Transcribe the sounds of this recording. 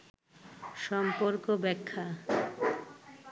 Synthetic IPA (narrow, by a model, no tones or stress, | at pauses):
ʃɔmpoɾkobɛkʰːa